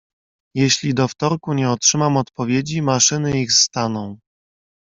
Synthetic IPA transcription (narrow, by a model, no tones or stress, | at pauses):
jeɕlʲid̪ɔft̪ɔɾkuɲɛɔtʂɘmamɔt̪pɔvʲjed͡ʑimaʂɘnɘixst̪anɔ̃w̃